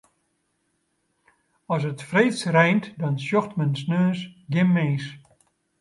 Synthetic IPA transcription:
ɔsətfreːsrɛjntdɔnsjɔxtmənsnøːsɡɪmːeːs

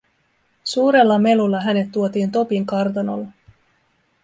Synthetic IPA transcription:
suːɾe̞lːɑme̞lulːɑɦæne̞t̪ːuot̪iːnt̪o̞piŋkɑrt̪ɑno̰lː

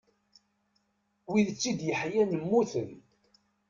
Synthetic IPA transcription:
wiðt͡sːid̪jəħjænəmːuθən

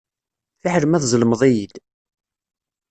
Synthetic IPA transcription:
θiħəɾmæθzˤəlməðˤijid̪

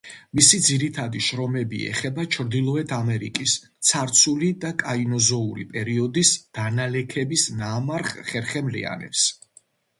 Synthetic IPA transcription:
misid̪ziɾit̪ʰad̪iʃɾɔmɛbḭɛ̰χɛbat͡ʃʰɾd̪ilˠɔɛt̪ʰamɛɾḭkʼist̪sʰaɾt̪sʰulid̪akʼainɔzɔuɾḭpʼɛɾiɔd̪isd̪̥analɛkʰɛbisnaːmaɾχχɛɾχɛmlḭa̰nɛ̰ps

